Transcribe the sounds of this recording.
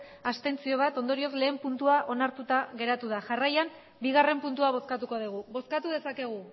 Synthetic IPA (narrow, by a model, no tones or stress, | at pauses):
ast̪e̞nt͡sio̞β̞at̪o̞nd̪o̞ɾio̞zle̞ːmpunt̪uaʔo̞naɾt̪ut̪aɣe̞ɾat̪uðaʝarajam | biɣ̞are̞mpunt̪uaβ̞o̞skat̪uko̞ð̞iɣ̞uβo̞skat̪uð̞e̞sake̞ɣ̞u